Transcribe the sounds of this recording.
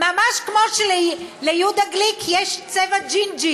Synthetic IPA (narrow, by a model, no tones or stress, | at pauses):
mamaʃkmoʃllejud̪aɡlikʰjɛʃt͡sevad͡ʒind͡ʒi